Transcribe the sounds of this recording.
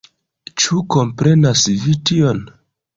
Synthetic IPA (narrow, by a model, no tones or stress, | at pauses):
t͡ʃuko̞mpɾe̞nasvitio̞n